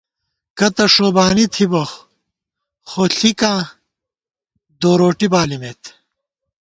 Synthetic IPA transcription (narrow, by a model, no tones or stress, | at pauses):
kɐt̪ɐʂoːbaːnit̪ʰibox | xoɬika | d̪oːɾoːʈibaːlimet̪